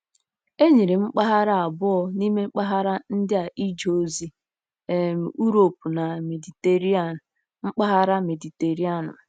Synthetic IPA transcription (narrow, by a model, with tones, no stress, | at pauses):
e˦ɲi˨ɾe˨ŋ͡m̩˦k͡pa˦ɦa˦ɾa˦a˨bʊ˦ɔ˦ni˦me˦k͡pa˦ɦa˦ɾa˦n̩˦dɪ˦a˨ʔi˦d͡ʒo˨˦zi˦ | e˨m˨u˦ɾo˨pu˨na˨me˨di˨te˨ɾi˦a˨ | ŋ͡m̩˦k͡pa˦ɦa˦ɾa˦me˨di˨te˨ɾi˦a˦˨nʊ̰˨